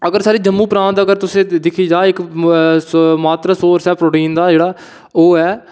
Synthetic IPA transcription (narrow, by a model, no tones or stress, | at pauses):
əɡəɾsaːɾiːd͡ʒəmːũːpɾãːnt̪ːəɡəɾt̪ʊsẽːd̪ɪkʰiːd͡ʒaːɪk | maːt̪ɾaːsoːɾsɦɛːpɾoːʈiːnd̪aːd͡ʒeːɽaː | oːɦɛː